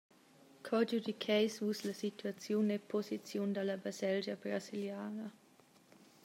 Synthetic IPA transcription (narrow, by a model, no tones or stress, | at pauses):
kʰɔd͡ʒud̪ikʰɛjsvusləsit̪ʰuat͡sjunepʰozit͡sjund̪aləbazɛld͡ʒəbɾasiljaːnə